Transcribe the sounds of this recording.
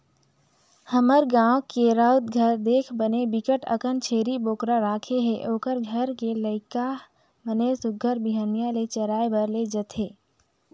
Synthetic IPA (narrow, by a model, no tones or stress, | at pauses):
həməɾɡãːwkeɾaːʊt̪ɡʱəɾd̪eːkʰbənebɪkəʈə̰kənt͡ʃʰeːɾiboːkɾaɾaːkʰeɦɛʔoːkəɾɡʱəɾkeləɪka | bənesʊɡʱːəɾbiɦənijãlet͡ʃəɾaːebəɾled͡ʒət̪eː